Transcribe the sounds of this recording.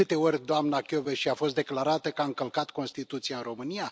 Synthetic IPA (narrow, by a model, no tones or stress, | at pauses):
ɨt̪e̞o̞rʲd̪oamnakʲo̞veʃiafo̞st̪̚d̪e̞klaɾat̪əkaɨŋkəlkat̪ko̞nst̪it̪ut̪sijaɨnro̞mɨnija